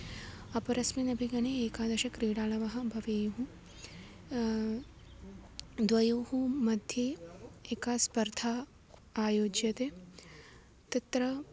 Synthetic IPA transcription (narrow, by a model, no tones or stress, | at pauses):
ɐpɐɾɐsminɐbʱiɡɐneeːkaːd̪ɐʃɐkɾiːɽaːlɐʋɐɦɐ̆bʱɐʋeːjuɦu | d̪ʋɐjoːɦumɐd̪ʱjeːeːkaːspɐɾd̪ʱaː | joːd͡ʒjɐt̪eː | t̪it̪ɾɐ